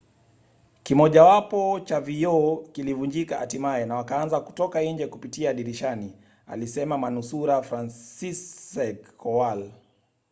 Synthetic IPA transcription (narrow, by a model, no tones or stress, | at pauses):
kimɔʄawapɔt͡ʃavijɔkilivund͡ʒikaʔatimaɛnawakaanzaku̥tɔkaiɲd͡ʒɛkupitiaːɗiɾiʃani | a̰lisɛmamanusuɾafɾansisɛkɔwal